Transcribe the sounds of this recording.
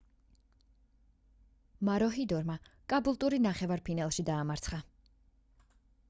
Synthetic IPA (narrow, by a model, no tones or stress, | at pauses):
maɾɔɦid̪ɔɾmakʼabulˠt̪ʼuɾinaχɛvaɾpʰinalˠʃid̪aːmaɾt̪sʰχa